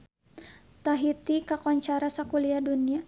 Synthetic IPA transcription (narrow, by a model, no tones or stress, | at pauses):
t̪aɦit̪ikakɔɲt͡ʃaɾasakuliadunia